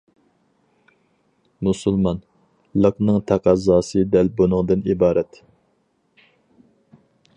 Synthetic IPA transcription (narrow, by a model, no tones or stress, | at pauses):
musulˠmɑn | lˠəqnɨŋt̪ʰæqʰɑzɑːsɨd̪ɛlbunɨŋd̪ɨnibɑːɾɛt̪